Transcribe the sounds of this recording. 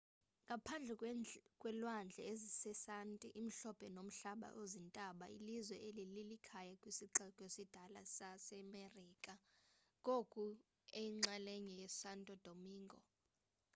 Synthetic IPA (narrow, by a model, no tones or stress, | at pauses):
ŋɡʱapʰand͡ɮʱɛkʼwɛlwand͡ɮʱɛ̰ezisɛsantʼiʔim̩ɬɔpʰʼɛnom̩ɬaɓa̰ʔozintʼaɓailizwɛʔelililikʰajakʼwisiǀɛkʼesid̥ʱalasasɛmeriːkʼa | kʼokʼu | eŋ͡ǁaleɲɛjɛsantʼɔd̥ʱomiːŋɡʱɔ̰